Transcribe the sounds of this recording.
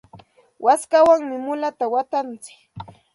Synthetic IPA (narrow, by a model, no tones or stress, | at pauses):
wʔaskawaŋmɪmʊlat̪awat̪ant͡sɪ̥k